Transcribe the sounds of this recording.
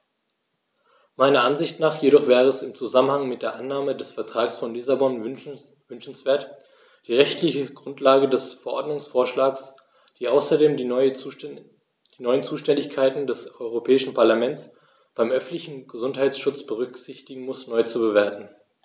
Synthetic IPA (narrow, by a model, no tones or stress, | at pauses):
maɪnɐʔanzɪçtnaːχjeɾɔχv̥ɛːʁəɛsɪmt͡suzamənhaŋmɪt̚d̥eːɐʔanːaːmədɛsfɛɐtʁ̥aːksfɔnlɪsabɔn | vʏnʃn̩sv̥eːɐt | d̥iːʁɛçtʰlɪçəɡʁʊntlaːɡədɛsfɛɐʔɔɐdnʊŋsfoːɐʃlaːks | d̥iːʔaʊsɐdeːm | d̥iːnɔʏənt͡suːʃtɛndɪçkʰaɪtn̩dɛsɔʏʁ̞opʰɛːɪʃn̩pʰaɐlamɛnt͡s | b̥aɪmʔœfn̩tlɪçn̩ɡəzʊnthaɪt͡ssʃʊt͡sb̥əʁ̞ʏkz̥ɪçtɪɡŋ̩mʊsnɔʏt͡subəveːɐtn̩